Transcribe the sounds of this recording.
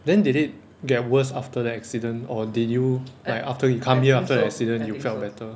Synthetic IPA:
dɛ̃ndidit̚ | ɡɛt̚wəsaftədəɛksidə̃nɔdidjulaɪkaftəjukʰãmhiəaftədəɛksidə̃njufɛlt̚bɛtə

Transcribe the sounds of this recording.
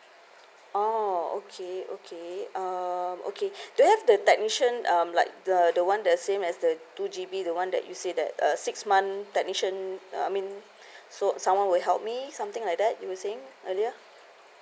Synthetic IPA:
oo̰kʰeo̰kʰeʌmʔo̰kʰeduuhɛvdətɛk̚niʃə̃nʔʌ̃mlaɪk̚dədəwãndɛtsẽmɛsdətud͡ʒibidəwãndɛ̰t̚jusedɛ̰t̚ʌ̰sɪksmãntɛk̚niʃə̃na̰mĩn | sosãmwãnwɪɦɛlp̚misãmt̪ɪ̃ŋlajk̚dɛt̚juwəseɪ̃ŋʔəliə

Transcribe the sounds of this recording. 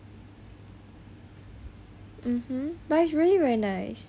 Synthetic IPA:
m̩m̥m̩basɹilˠiɹɛinaɪs

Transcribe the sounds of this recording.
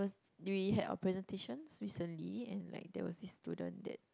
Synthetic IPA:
ɔs | wiɦɛda̰ʊəpʰɹɛzɛ̃ntʰeʃə̃nsɹisə̃nliɛ̃nla̰ɪk̚dɛ̰wɔ̰sdisːtudə̰̃ndɛ̰t̚

